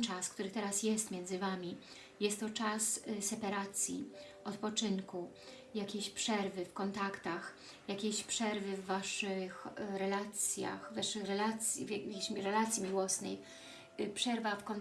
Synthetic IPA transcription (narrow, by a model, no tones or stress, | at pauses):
t͡ʂaskt̪uɾɘt̪ɛɾasjɛst̪mʲjɛnzɘvamʲi | jɛst̪ːɔt͡ʂassɛpaɾat̪sʲjḭ | ʔɔt̪pɔt͡ʂɘŋku | jakʲeɕpʂɛɾvɘfkɔnt̪akt̪ax | jakʲeɕpʂɛɾvɘvːaʂɘxɾɛlat̪sʲja̰xvaʂɘxɾɛlat̪sʲjḭvʲɕɾɛlat̪sʲjimʲiwɔsnɛ̰j | pʂɛɾvafkɔn